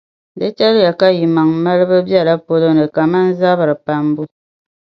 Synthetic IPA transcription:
də˦t͡ʃa˦lja˨ka˦ji˨ma˨ŋ˦ma˦lbə˦bja˦˨la˦po˦lo˦nə˨ka˨ma˦n̩˦za˦ba˨ɾpa˨m˦bu˦

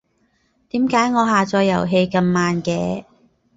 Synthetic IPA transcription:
t̪iː˨˥mkaː˨˥jŋɔː˨˧ɦaː˨t͡ʃɔː˧jːɐ̰˨˩wɦe˧jkɐ˧mːaː˨nkɛː˧

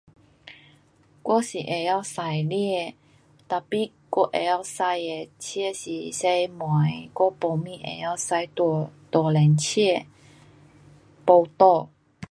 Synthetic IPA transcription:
kwɔ˥si˨ʔe˨˩ja˥˧˨wsa˨˧˩jli˥˧˨ | t̪a˨˩pi˧˨ | kɔ˥˦˧ʔe˨˩ja˥˧wsa˧je˨˩t͡ɕʰɛ˥˧˨ɕi˨se˧jmwã˨˦jkwɔ˦po˧mĩ˥˧˨ʔḛ˨˩ja˥˧˨wsa˧jt̪t̪ɔ˨˩lɛ˨˩nt͡ɕʰɛ˥˧ | po˧wt̪ɔ˥˧

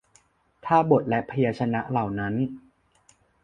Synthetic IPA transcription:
t̪ʰaː˥˩bo˨˩t̪̚lɛ˦˥pʰa˧jaː˧t͡ɕʰa˧na˦˥ʔla˨˩wna˦˥n

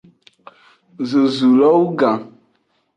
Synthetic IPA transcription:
ze˨zu˨lɔ˦wu˦ɡã˨

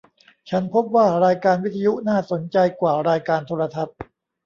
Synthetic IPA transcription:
t͡ɕʰa˦˥npʰo˦˥p̚waː˥˩ɾaː˧jkaː˧nwi˦˥t̪ʰːa˧ju˦˥naː˥˩so˩˦nt͡ɕa˧jkwaː˨˩ɾaː˧jkaː˧nt̪ʰoː˧ɾa˧t̪ʰa˦˥t̪̚

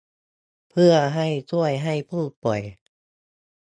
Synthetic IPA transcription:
pʰɯ˥˩ɐɦa˧˩jt͡ɕu˧˩əjɦa˧˩jpʰuː˥˩t̪̚pɔ˨˩j

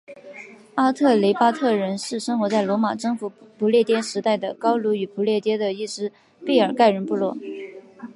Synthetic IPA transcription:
a˥t̪ʰɤ˥˩le˧˥ɪpa˥t̪ʰɤ˥˩ɻə˧˥nʂɻ̩˥˩ʂɤ˥ŋxwɔ˧˥t͡sa˥˩ɪlwɔ˧˥ma˨˩ʈ͡ʂɤ˥˧ŋfu˨˩pʰu˧˥ljɛ˥˩t̪jɛ˥nʂɻ̩˧˥t̪a˥˩ɪd̪ə˩kɑ˥ʊlu˧˥y˨˩pʰu˧˥ljɛ˥˩t̪jɛ˥d̪ə˨i˥˩ʈ͡ʂɻ̩˥ | pe˥˩ɪə˞˨˩ka˥˩ɪɻə˧˥npu˥˧lwɔ˥˩

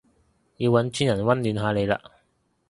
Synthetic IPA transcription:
jiː˧wːɐ˨˥nt͡ʃyː˥njɐ˨˩nwɐ˥nlyː˨˧nɦaː˨˧le˨˧jla̰ː˧

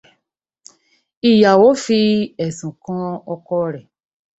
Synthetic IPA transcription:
i˨ja˨wo˨˦fi˧ɛ˨sũ˨kã˧˦ɔ˧kɔ˧ɾɛ˨

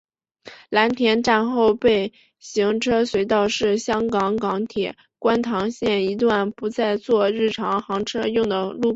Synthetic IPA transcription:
la˧˥nt̪ʰjɛ˧˥nʈ͡ʂa˥˧nxo˥˧ʊpe˥˩ɪ | ɕi˧˥ŋʈ͡ʂʰɤ˥swe˧˥ɪt̪ɑ˥˧ʊʂɻ̩˥˩ɕjɑ˥ŋkɑ˧˥ŋkɑ˧˥ŋt̪ʰjɛ˨˩˦ | kwa˥nt̪ʰɑ˧˥ŋɕjɛ˥˩ni˧˥t̪wa˥˩npu˧˥t͡sa˥˧ɪt͡swɔ˥˧ɻɻ̩˥˩ʈ͡ʂʰɑ˧˥ŋxɑ˧˥ŋʈ͡ʂʰɤ˥jʊ˥˩ŋd̪ə˩lu˥˩

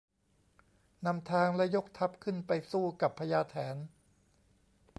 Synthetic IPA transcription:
na˧mt̪ʰaː˧ŋlɛ˦˥jo˦˥k̚t̪ʰa˦˥p̚kʰɯ˥˩npa˧jsuː˥˩ka˨˩pʰːa˧jaː˧t̪ʰɛː˩˦n

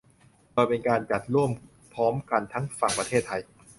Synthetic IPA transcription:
kɔː˧jpe˧nkaː˧nt͡ɕa˨˩t̪̚ɾu˥˩əm | pʰɔː˦˥mka˧nt̪ʰa˦˥ŋfa˨˩ŋpɾa˧eː˥˩t̪ʰːa˧j

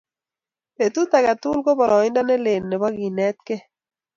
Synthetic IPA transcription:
e˨t̪u˦t̪a˨ɡa˨t̪ʊ˦lɡɔ˦bɔ˨ɾɔ˨ɪ˦nda˦nɛ˦le˨nːɛ˨ba˦ɡi˨nɛ˦t̪̚ke˦

